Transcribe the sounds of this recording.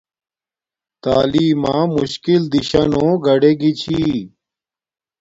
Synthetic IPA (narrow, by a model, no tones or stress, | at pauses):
t̪aːliːmãːmuɕkild̪iɕɐnõːɡɐɖeɡit͡ɕʰi